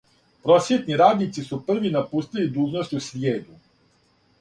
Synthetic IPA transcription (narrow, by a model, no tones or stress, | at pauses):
pɾosjet̪niɾaːd̪nit̪sisupr̩ʋinapuːst̪ilid̪uːʒnost̪usɾjeːd̪u